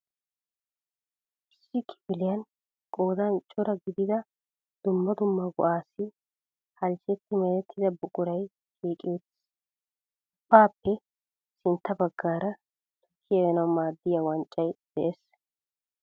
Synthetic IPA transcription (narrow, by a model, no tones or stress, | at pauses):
ʔɪsːɪkʰɪ̥bɪlɪjɐn | kʼo̞ːd̪ɐnt͡ʃʼɔɾɐɡɪd̪ɪd̪ɐ | d̪̥ʊmːɐd̪ʊmːɐɡʊʔaːsɪ | hɐlsɛt̪ːɪmɛɾɛt̪ʰːɪd̪ɐbʊkʼːʊɾɐj | ʃiːkʼɪjɔt̪ɪ̥ | ʊpːaːpːɛ | sɪnt̪ːɐbɐɡːaːɾɐ | t̪ʰʊ̥kʰːɪjɐjɛnɐwmaːd̪ːɪjɐwɐnt͡ʃʼːɐjd̪̥ɛʔeːs